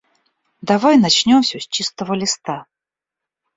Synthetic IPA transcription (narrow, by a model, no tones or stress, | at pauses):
d̪avajnat͡ɕnʲomsʲɵsʲt͡ɕist̪əvəlʲɪst̪a